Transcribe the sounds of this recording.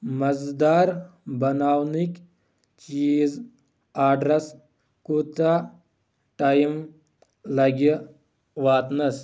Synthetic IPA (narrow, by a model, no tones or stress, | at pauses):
mɐzd̪aːɾbɐnaːwnik | t͡ʃiːz | aːɖɾɐs | kut̪a | ʈajm | lɐɡi | ʋaːt̪nɐs